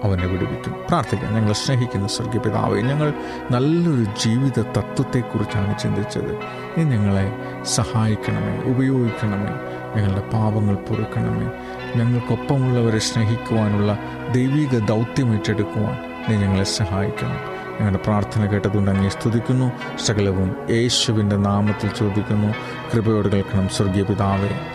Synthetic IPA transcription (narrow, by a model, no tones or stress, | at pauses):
ɐʋɐneʋiɽuʋikʲːumːupraːrt̪ʰikʲːɐ̰mɲɐŋːɐɭeɕneɦikʲːunːɐsɐrɡjɐpiða̰ːʋɐ̰jɲɐŋːɐɭ | nɐlːɐo̞ɾud͡ʑiːʋiðɐt̪ɐt̪ːwɐt̪ːe̞kːurit͡ɕːaːɳɨt͡ɕind̪it͡ɕːɐ̰ðɨ̰ | niːɲɐŋːɐɭe̞ | sɐhaːjikʲːɐɳɐmḛːʔubɐjo̞ːɡikʲːɐɳɐmḛː | ɲɐŋːɐɭɨɽe̞paːbɐŋːɐɭpurɐkːɐɳɐ̰mḛ | ɲɐŋːɐɭko̞pːɐmuɭːɐʋɐɾeɕneɦikʲːuʋaːnuɭːɐ | d̪ejʋiːɣɐd̪ɐwt̪jɐmiʈːe̞ɽukːuʋa̰ːn | niːɲɐŋːɐɭesɐɦaːjikʲːɐɳːɐ̰ | ɲɐŋːɐɭɽepraːrt̪ʰɐnɐkeːʈːɐðuɳɖɐŋːejst̪ʰud̪ikʲːunːu | ʂɐɣɐlɐʋume̞ːɕuʋinde̞naːmɐt̪ːilt͡ɕo̞ːd̪ikʲːunːu | kribɐjo̞ːɽuɣɐɭkɐɳɐmswɐrɡjɐpiðaːʋɐɾɐmː